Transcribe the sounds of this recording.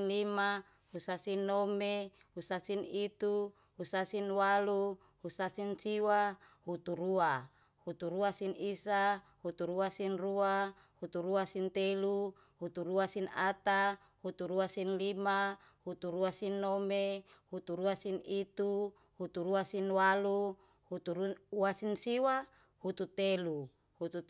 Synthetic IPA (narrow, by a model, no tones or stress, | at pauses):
nlima | husasinːome | husasinit̪u | husasinwalu | husasinsiwa | hut̪uɾua | hut̪uɾuasinisa | hut̪uɾuasinrua | hut̪uɾuasint̪elu | hut̪uɾuasinat̪a | hut̪uɾuasinlima | hut̪uɾuasinːomehut̪uɾuasinit̪u | hut̪uɾuasinwalu | hut̪uuasinsiwa | hut̪ut̪elu | hut̪u